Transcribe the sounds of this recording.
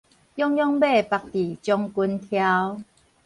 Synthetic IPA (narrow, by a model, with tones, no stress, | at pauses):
jɔ˦ŋjɔ˦˧ŋbe˥˧˨pa˨k̚t̪i˨˩t͡ɕjɔ˧ŋku˧nt̪ʰja˦˧w